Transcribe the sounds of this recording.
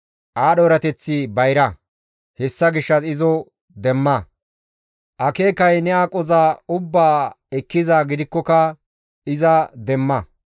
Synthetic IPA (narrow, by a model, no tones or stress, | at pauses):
ʔaːɗoɾɐt̪ɛt͡sːɪbɐjɾɐ | hɛsːɐɡɪʃːɐsɪzɔ | d̪ɛmːɐ | ʔɐke̞ːkɐjnɛakʼɔzaːʊbːaː | ɛkːɪzaːɡɪd̪ɪkːɔkɐ | ɪzɐd̪ɛmːɐ